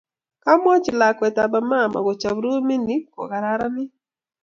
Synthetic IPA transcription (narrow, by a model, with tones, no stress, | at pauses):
ka˦mɔ˦t͡ʃi˨la˨kwɛ˨ta˨ba˨ma˦˨ma̰˨ɡɔ˨t͡ʃa˨bɾu˦mi˦ni˦kɔ̰˨ɣa˨ɾa˦ɾa˦nɪ˦